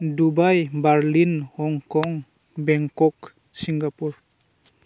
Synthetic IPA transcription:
dubajbaɾlinhɔŋkɔŋ | bɛŋkɔk | siŋɡapuɹ

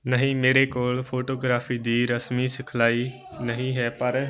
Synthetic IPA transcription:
nɐɦĩmeːɾekoːɭfoːʈoːɡɾaːfid̪iːɾɐsmisɪkʰlaːi | nɐɦĩɦɛːpɐɾ

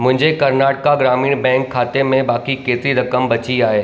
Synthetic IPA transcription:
mʊ̃ɦɪɲd͡ʒʱekɐɾnaːʈkaɡɾaːmiːɽbɛ̃ːŋkʰːaːt̪emẽbaːkikeːt̪ɾiɾɐkəmbɐt͡ʃiaːeː

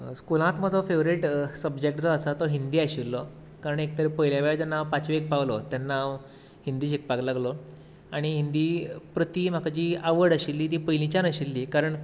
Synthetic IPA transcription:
skulãt̪məd͡zʱɔfeʋɾiʈsəbd͡ʑekʈt͡sɔːsat̪ɔɦind̪iːaɕilːɔ | kaɾəɳek̚t̪əɾepəɦiljaʋeɭd͡zənaʋpat͡sʋek̚paʋlɔt̪janːaʋ | ɦind̪iːɕ̬ik̚paklaɡlɔ | aɽ̃iɦind̪iːpɾət̪iːm̤akad͡ʑiːaʋəɾɽəɕilːiːt̪̬iːpəjlĩt͡ɕanəɕilːiːkaɾəɳ

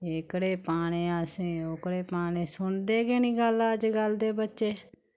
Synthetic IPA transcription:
eːkɽeːpaːɽ̃eːəsẽːoːkɽeːpaːɽ̃eːsʊɳd̪eːɡeːnĩːɡəlaːəd͡ʒɡəld̪eːbətːʃeː

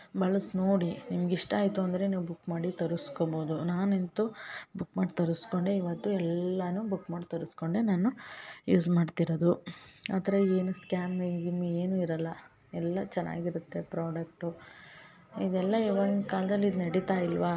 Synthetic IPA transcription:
bɐɭɐsno̞ːɽinimɐɡiʂʈaːjt̪uɐnd̪ɐɾe̞niːʋubukːmaːɽit̪ɐɾuskoboːd̪unaːnent̪ubukːmaːɖt̪ɐɾusko̞ɳɖeiʋɐt̪ːuɛlːɐnubukmaːʈt̪ɐɾuskoɳɖenaːnujuːsmaːɖt̪iɾod̪uaːt̪ɐɾɐeːnuskaːmeɡimieːnuiɾɐlːɐ | ɛlːɐt͡ʃɛnːa̰ːɡiɾut̪ːe̞pɾaːɖɐk̚ʈu | id̪ɛlːɐiʋɐnkaːld̪ɐlːid̪nɐɽit̪aːjilʋa

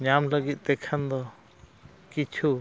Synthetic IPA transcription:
ɲamləɡit̪̚ˀt̪ɛkʰand̪ɔ | kit͡ʃʰu

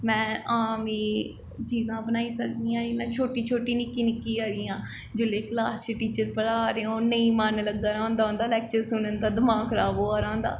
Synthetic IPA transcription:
mɛ̃ːʔaːmiː | t͡ʃiːzãːbənaːiːsək̚d̪iːãːɪlãːt͡ʃʰoːʈiːt͡ʃʰoːʈiːnɪkːiːnɪkːiːaːɾiːãː | d͡ʒɪleːklaːst͡ʃəʈiːt͡ʃəɾpəɽaːɾeːõːnəĩːmanləɡːaːɾãːnd̪aːɦõnd̪aːlɛːk̚t͡ʃəɾsʊnənd̪aːd̪əmaːkʰɾaːboːaːɾãːnd̪a̰ː

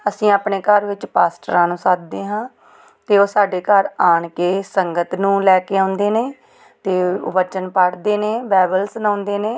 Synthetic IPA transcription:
əsĩːaːpɳeːkəɾʋɪt͡ʃpaːsʈəɾãːnũːsaːt̪̚d̪eːɦãː | t̪eːoːsaːɖeːkəɾaːɳkeːsəŋɡət̪nũːlɛːkeːãːnd̪eːneː | t̪ḛːʋət͡ʃənpəɽd̪eːneːbɛːbəlsnãːʊ̃nd̪eːneː

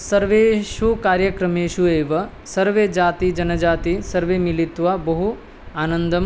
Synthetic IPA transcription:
sɐɾʋeːʃukaːɾjɐkɾɐmeːʃueːʋɐ | sɐɾʋeːd͡ʒaːt̪id͡ʒɐnɐd͡ʒaːt̪isɐɾʋeːmilit̪ʋabɐɦu | aːnɐnd̪ɐm

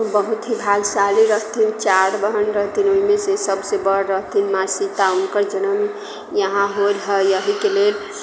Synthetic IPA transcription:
bəɦut̪ɦibʱalsaliɾəɦt̪ʰint͡ʃaɽbəɦənɾəɦt̪ʰinoimesesəbsebəɽɾəɦt̪ʰinmasit̪aunkəɾd͡ʒənəm | jəɦãɦolɦəjəɦikelel

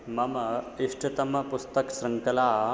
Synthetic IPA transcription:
mɐmɐiʂʈɐt̪ɐmːɐpust̪ɐksɾɐŋkɐlaː

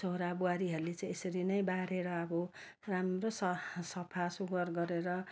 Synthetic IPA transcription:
soɾabuaɾiɦʌɾulet͡saĩesʌɾinʌjbaɽeɾʌːbʌ | ramrosʌsʌpʰasuɡʌrɡʌɾeɾʌ

